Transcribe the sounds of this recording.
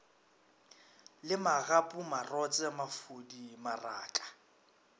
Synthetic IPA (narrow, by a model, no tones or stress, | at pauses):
lɪmaɣapʼumarɔt͡sʼɛmafudimara̰ːkʼḁ